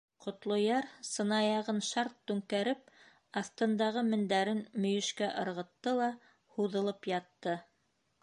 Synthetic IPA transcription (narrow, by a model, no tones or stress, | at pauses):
qŏt̪lˠŏjɑɾsɤ̆nɑjɑʁɤnʃɑɾt̪ːʉŋkæɾɘp̚ | ɑθt̪ɤ̆nd̪ɑʁɤmɘ̆nd̪æɾɘnmɵ̆jɵ̆ʃkæʔɤ̆ɾʁɤ̆t̪ːɤlˠɑ | huðɤ̆lˠɤpjɑt̪ːɤ